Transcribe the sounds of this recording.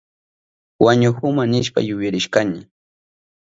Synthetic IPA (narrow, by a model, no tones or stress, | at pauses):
waɲʊhʊmanɪʃpa̰jʊjaɾɪʃkaɲɪ